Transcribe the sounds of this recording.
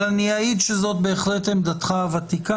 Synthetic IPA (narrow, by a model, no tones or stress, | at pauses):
laniaid̪ʃezo̞t̪̚be̞ːχlet̪hemd̪at̪χaavat̪ika